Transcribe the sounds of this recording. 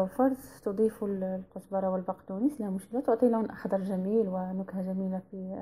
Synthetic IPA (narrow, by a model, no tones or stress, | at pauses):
fɑɾˤzˤt̪ʊd̪ˤiːfullqʊsbɑɾˤɑwəlbɑqt̪unislhæmʊʃkɪlat̪ʊʕt̪ˤilhʊnʔxɑd̪ˤɑɾˤʒæmiːlwɪnʊkhaʒæmiːlafi